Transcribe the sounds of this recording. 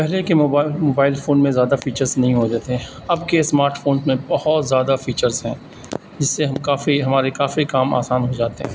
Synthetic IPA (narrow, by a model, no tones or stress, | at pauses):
pɛɦlekemoːaːmoːbaːɪlfoːnmẽzjaːd̪afiːt͡ʃəɾznɐɦĩɦod̪eːt̪e | ɐbkesmaːɾʈfoːnzmẽbɐhɔt̪zjaːd̪afiːt͡ʃəɾzɦɛ̃ː | d͡ʒɪsːeɦɐmkaːfiɦɐmaːɾekaːfikaːma̰ːsaːnɦod͡ʒaːt̪eɦɛ̃ː